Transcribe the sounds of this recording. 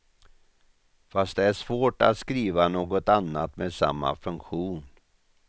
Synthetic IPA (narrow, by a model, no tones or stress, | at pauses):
fast̪̚d̪ɛæʂvoːʈa̰t̪skɾiːvanoːɡɔt̪anːat̪meːd̪sa̰mːa̰fɵŋkɧuːn